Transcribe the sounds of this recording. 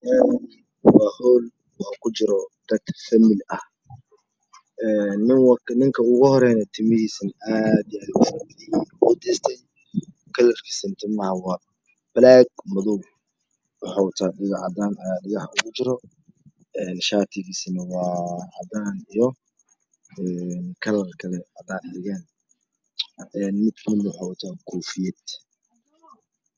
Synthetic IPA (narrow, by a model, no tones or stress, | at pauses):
ʔɛːn | wɑːhɔːl | wʊħakʰʊt͡ʃɪɾɔd̪̥ɐd̪fɐmɪlɐh | ʔɛːnːɪwnɪŋkʰɐʊɣʊhɔɾɛːjnɛt̪ʰɪmɪhiːsɐnʔaːd̪ijaːd̪ʊʃɐbðɪjinkʊd̪ɛːst̪ʰɛj | kʰɐlɐrkʰi̥ːsɐnt̪ʰɪmɐhɐwɑː | b̥laːɡ̚mʊðu | wʊħawʊt̪ʰaːɗɪɣɑʕɑ̰d̪aːnɐjaːɖɪɣɑħʊɣʊt͡ʃɪɾɔ | ɛːnʃaːt̪ʰɪɣiːsnɐwɑːʕɑd̪aːnijɔ | ɛnkʰɐlɐrkʰɐlɛhɑd̪aːnħɛɣaːn | ɛːnmɪd̪kʰmɪd̪nwʊħawʊt̪ʰaːkʰuːfɪjɛd̪